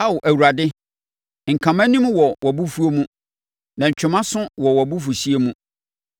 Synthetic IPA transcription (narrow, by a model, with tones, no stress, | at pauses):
a˦wʊ˨ʔæ˨wu˨ɾa˨dɪ˦ | ŋ̩˨kʰã˨mã˦nĩ˦m˦wɔ˨wɔ˨bu˦fu˦o˦mũ˦ | nã˨ɲ˨t͡ɕʰᶣʊ˨mã˦sʊ̃˦wɔ˨wɔ˨bu˦fu˨si˦e˦mũ˦